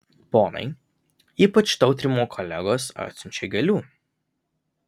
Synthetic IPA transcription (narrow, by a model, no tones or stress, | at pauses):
poːnɐ̰ɪ | iːpɐt͡ʃt̪ɐʊt̪ʲɾʲimuːkʰɔlʲæɡoːsɐ̰t̪ʲsʲʊnʲt͡ʃʲɛɡʲɛlʲuː